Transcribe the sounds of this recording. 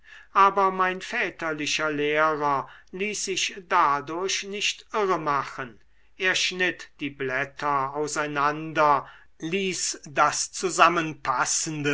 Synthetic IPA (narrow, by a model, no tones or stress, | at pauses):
ʔaːbɐmaɪnfɛːtɐlɪʃɐleːʁɐliːsz̥ɪʃd̥adʊɐɕnɪʃtʔɪʁəmaχən | ʔeːɐʃnɪtd̥iːblɛtʰɐaʊsaɪnandɐ | liːsdast͡suzamənpʰasəndə